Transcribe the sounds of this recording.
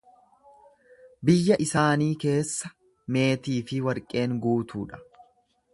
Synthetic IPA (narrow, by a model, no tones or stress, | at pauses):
bɪjːɐʔɪsaːniːke̞ːsːɐ | me̞ːt̪iːfɪwɐɾkʼe̞ːŋɡuːt̪uːᶑɐ̥